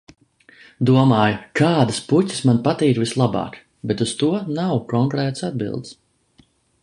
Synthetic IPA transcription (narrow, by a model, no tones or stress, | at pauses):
d̪uɔmaːjkaːd̪aspucʲi̥smanpat̪iːɾvislˠabɑ̰ːk | bɛt̪ust̪uɔnawkɔŋkɾɛːt̪sad̪̚bḭlˠd̪s